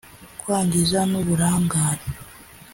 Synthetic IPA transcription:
kwaːɲɟizanoβuɾaːŋɡaːɾe

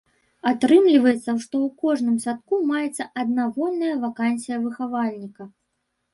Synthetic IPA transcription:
at̪ɾɨmlʲivɐjɛt̪sːɐʂt̪ɔwkɔʐnɨmsʲat̪̚kumajɛt̪sːɐʔɐd̪navɔnːɐjɐvakanʲsʲijɐvɨxavalʲnʲikɐ

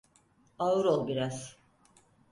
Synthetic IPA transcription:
aɯɾolˠbiɾaz̥

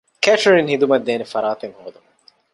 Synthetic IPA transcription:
kæʈɾinhid̪umɐd̪ːeːnefɐɾaːt̪eŋhoːd̪umɐ

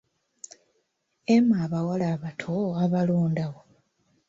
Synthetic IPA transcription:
emaːβawalaːβatʰoaβaloːndaɣo

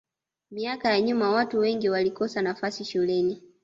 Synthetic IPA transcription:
miakajaɲumawatuwɛŋɡiwalikɔsanafasiʃulɛni

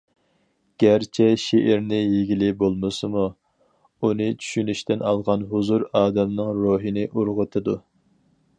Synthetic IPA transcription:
ɡ̥ʲæɾt͡ʃʰɛʃeʔɪɾnɪjeɡʲilɪbolˠmɨsɨmu | unɨt͡ʃʰy̥ʃynyʃt̪ɪnɑlˠʁɑnɦuzuɾɑːd̪ɛmnɨŋɾoɦɨnɪʔuɾʁət̪ʰɨd̪u

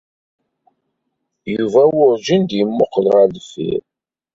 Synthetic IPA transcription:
juvæwʊɾʒind̪jəmːʊqːlʁælfḭɾ

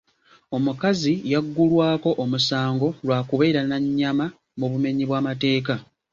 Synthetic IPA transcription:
o̞mukazijaɡːulwaːko̞ʔomusaːŋɡo̞lwaːkuβe̞ːɾanaɲːama | muβume̞ɲiβwaːmate̞ːka

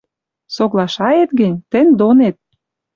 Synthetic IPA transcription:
soɣlɑʃɑet̪ɡə̆nʲt̪ə̆nʲd̪onet̪̚

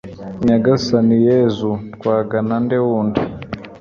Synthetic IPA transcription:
ɲaɡasanijɛzukwaɡanandɛwundi

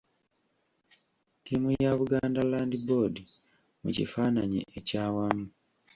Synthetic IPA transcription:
tiːmujaβuɡaːndalaːndibo̞di | mṵcḭfaːnaɲḛʔecaːwamu

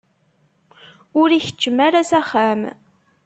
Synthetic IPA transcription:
ʊɾiçə̥t͡ʃːəmæɾæsæχæm

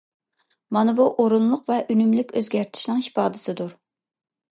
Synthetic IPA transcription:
mɑnɨbuʔoɾunlˠʊqvɛʔynymlykʲʰøzɡʲæɾt̪ʰɪ̥ʃnɪŋhi̥pɑːd̪ɨsɨd̪uɾ

